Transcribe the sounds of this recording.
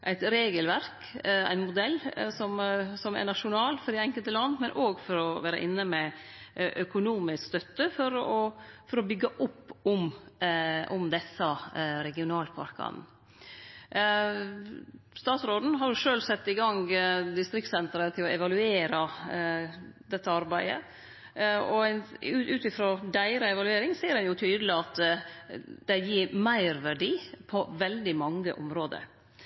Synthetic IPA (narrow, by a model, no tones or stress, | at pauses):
ʔæ̰ɪt̪ɾeːɡəlʋæɾk | æ̰ɪnmʊd̪ɛlːsɔmsɔmæ̰nɑʂʊnɑːlfɔɾɖ̪ɛɛŋkəlt̪əlɑnːmɛnʔoːɡfɔɾɔʋæːɾə̰ʔɪnːəmɛ | ʔœkʊnuːmɪskst̪œt̪ːəfɔɾɔfɔɾɔbʏɡːəʔʊpːʊm | ʊmd̪ɛsːɑɾɛɡɪʊnɑːlpʰɑ̰ɾkɑ̰n | st̪ɑːt̪sɾoːd̪n̩ɦɑɾjʊʂøːlsɛt̪ːɪɡɑŋɡd̪ɪst̪ɾɪkt̪sɛnt̪ɾət̪ʰɪlɔɛʋɑlʉeːɾɑ | d̪ɛt̪ːəɑɾbæɪə̰ | ɔænʉʉːt̪ɪfɾoːd̪æɪɾɑɛʋɑlʉeːɾɪŋsiːəɾɛnjʊt̪ʰyːd̪əlɪɑt̪ | d̪̥ɛjiːɾmæɪɾʋæɖiːpʰɔʋɛld̪ɪmɑŋːəʔʊmɾoːd̪ə̰